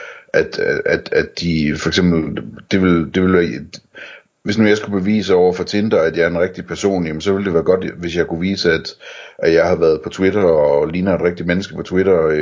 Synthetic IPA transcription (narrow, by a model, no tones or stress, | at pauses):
ʔæd̥æd̥æd̥ːifɒeɡ̥sem̰b̥l̩d̥e̝ʋe̝ld̥e̝ʋe̝lʋæɐ | ʋe̝snujɑ̈ɪsɡ̥ub̥e̝ʋḭːsəɒʊ̰ɐfɒ̽t͡sʰe̝nd̥ɐæd̥jɑ̈ɐenʁeɡ̥̚d̥ipʰæɐso̝̰ːnjæmən̩sɒ̽ʋe̝ld̥e̝ʋæːɐɡ̥ɒ̽d̥ʋe̝sjɑ̈ɪkʰuʋḭːsəæd̥ʔæ̥jɑ̈ɪhɑ̈ʋæɐðˠpʰɒ̽t͡sʰweɾɐɒliːnɐe̝d̥ʁeɡ̥̚d̥id̥menəsɡ̥ə̥pʰɒ̽t͡sʰwiɾ̥ɐ